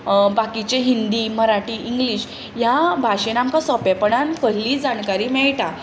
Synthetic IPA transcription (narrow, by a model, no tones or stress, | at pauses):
bakit͡ɕeɦind̪iːməɾaʈiːʔiŋɡliɕ | jabʱaɕenamkasɔpapəɳankəɾliːd͡zankaɾiːmɛɭʈa